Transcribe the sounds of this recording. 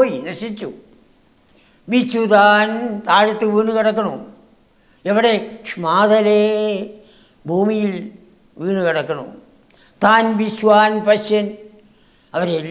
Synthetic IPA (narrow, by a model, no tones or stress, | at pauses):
oːjinɐʂit͡ɕːu | ʋit͡ɕːut̪aːnt̪aːɻɐt̪ːɨʋiːɳɨkɐɽɐkːɐɳu | eʋiɽekʂmaːðɐle | bʱuːmijil | ʋiːɳukɐɽɐkːɐɳṵ | t̪aːnʋiɕʋaːnpɐɕjɐn | ɐʋɐɾel